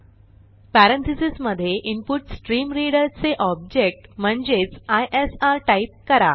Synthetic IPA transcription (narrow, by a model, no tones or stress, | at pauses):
pæɾənt̪ʰisisməd̪ʱːjeʔimpuʈsʈɾiːmɾiɽəɾt͡seʔɔb̚d͡ʑek̚ʈm̤əɳd͡zet͡sajʔesaɾʈaip̚kəɾa